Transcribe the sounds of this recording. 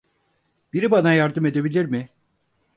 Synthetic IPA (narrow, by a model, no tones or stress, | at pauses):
b̥iɾibanajaɾd̪ɯme̞d̪e̞bilʲiɾmɪ